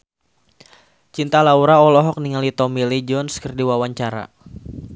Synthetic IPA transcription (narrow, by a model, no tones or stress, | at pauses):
t͡ʃint̪alauɾaɔlɔɦɔk̚niŋalit̪ɔmilid͡ʒɔnskərdiwawaɲt͡ʃaɾa̰